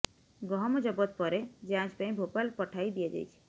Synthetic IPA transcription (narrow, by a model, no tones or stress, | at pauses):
ɡɔɦɔmɔd͡ʒɔbɔt̪̚pɔɾed͡ʒãt͡ʃpãĩbʱopalpɔʈʰajd̪ijad͡ʒa̰jt͡ʃʰi̥